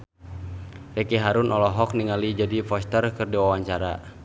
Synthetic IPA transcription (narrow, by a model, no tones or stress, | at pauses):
rɛkiɦaɾunʔɔlɔɦɔk̚niŋalid͡ʒadifɔst̪ərkɨrdiwawaɲt͡ʃaɾa̰